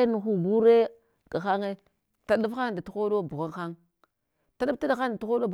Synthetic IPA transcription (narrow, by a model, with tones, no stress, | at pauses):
nu˨xu˨ɡu˦ɾe˦ | ɡ̥a˨xa˦ŋe˦ | ta˨ɗu˦fxa˦˨da˨tu˨˦xo˦do˦˨bu˨ɣa˦ŋxa˦ŋ | ta˨ɗa˦fta˦da˨xa˦n˨da˨tu˦xo˦do˦b